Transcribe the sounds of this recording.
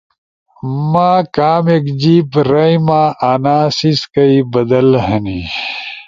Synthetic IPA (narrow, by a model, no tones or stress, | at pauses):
maːkaːmekd͡ʑiːpɾɐimaːʔaːnaːsiskɐibɐd̪ɐlhɐni